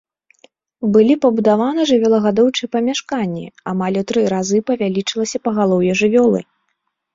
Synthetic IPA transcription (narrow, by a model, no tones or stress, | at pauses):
bɨlʲipɐbud̪avanɐʐɨvʲɔlˠɐɣad̪ɔwt͡ʂɨjɛpɐmʲaʂkanʲːḭamalʲut̪ɾɨɾazɨpɐvʲalʲit͡ʂɨlˠɐsʲɐpɐɣalˠɔwjɛʐɨvʲɔlˠɨ̰